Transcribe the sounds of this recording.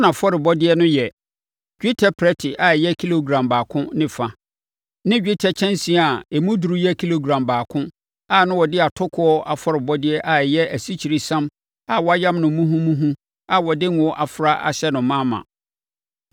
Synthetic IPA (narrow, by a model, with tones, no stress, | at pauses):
nã˨fɔ˦ɾɪ˨bɔ˦dɪ˦ɛ˦nʊ̃˦jɛ˨ | ɡᶣi˦tʰɛ˦pʰɾɛ˦tʰɪ˨ʔa˨jɛ˦kʰi˦lo˨ɡɾã˨mbaː˨kʰʊ̃˦nɪ̃˦fa˨ | nɪ̃˦d͡ʑᶣi˦tʰɛ˦t͡ɕʰɛ̃˦nsĩ˨a˨ɛ˨mũ˦du˨ɾu˦jɛ˦kʰi˦lo˨ɡɾã˨mbaː˨kʰʊ̃˦ | a˨nʊ̃˦wɔ˨dɪ˦a˨tʰʊ˦kʰʊ˦ɔ˦ʔa˨fɔ˦ɾɪ˨bɔ˦dɪ˦ɛ˦ʔa˨jɛ˦æ˨si˦t͡ɕʰi˨ɾi˨sã˦m | a˨wɔ˦a˦jã˦mnʊ̃˨˦mũ˦ɦũ˦mũ˦ɦũ˦ | a˨wɔ˨dɪ˦n˨ɔ˦ʔa˨fʊ˨ɾa˦ʔa̰˨ɕɛ˦nʊ̃˨mãː˦mã̰˨